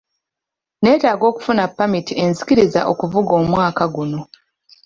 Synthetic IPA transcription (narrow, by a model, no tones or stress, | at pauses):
ne̞ːtaːɡo̞ːku̥funapːamitie̞nzikiɾiza̰ʔo̞kuvuɡoːmwaːkaɡuno̞